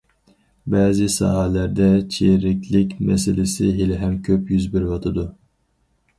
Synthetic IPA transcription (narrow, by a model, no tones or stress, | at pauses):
bɛːzɪsɑ̰ːɦælæɾd̪ɛt͡ʃʰeɾɪkʲʰlɪkʲmɛsɪlɪsɪɦelɪɦɛmkʲʰøpjyzbiɾvɑt̪ʰɨd̪u